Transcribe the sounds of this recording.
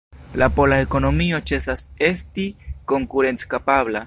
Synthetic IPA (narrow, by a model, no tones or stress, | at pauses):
lapo̞laeko̞no̞mio̞t͡ʃe̞sase̞stiko̞ŋkuɾe̞nt͡skapabla